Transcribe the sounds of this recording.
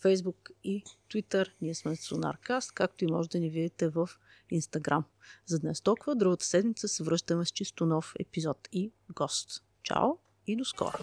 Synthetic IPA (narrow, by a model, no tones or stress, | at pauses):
fɛjzbukit̪vit̪əɾniɛsmɛt̪sona̰ɾkast̪kak̚t̪ʊimɔʒɛd̪ɐnivid̪it̪ɛvəf | inst̪ɐɡɾamzɐd̪nɛst̪ɔlˠkʊvəd̪ɾuɡət̪ə̥sɛd̪mit̪səsɛvɾɤʃt̪əmɛst͡ʃist̪ʊnɔfɛ̰pizɔt̪i | ɡɔst̪ | t͡ʃa̰lˠ | id̪oskɔ̰ɾo